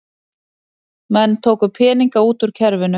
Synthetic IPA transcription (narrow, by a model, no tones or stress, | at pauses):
mɛnːt̪ʰoːwkʏpʰɛːniŋkauːt̪ʏɾ̥cʰɛɾvɪnʏ